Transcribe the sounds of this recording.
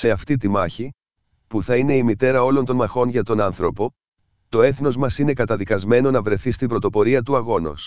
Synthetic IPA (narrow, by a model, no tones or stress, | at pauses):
se̞ɐft̪it̪imɐçi | puθɐine̞imit̪e̞ɾɐo̞lo̞nt̪o̞nmɐxo̞nʝɐt̪o̞nɐnθɾo̞po̞ | t̪o̞e̞θno̞zmɐsine̞kɐt̪ɐðikɐzme̞no̞nɐvɾe̞θist̪ibɾo̞t̪o̞po̞ɾiɐt̪uɐɣo̞no̰s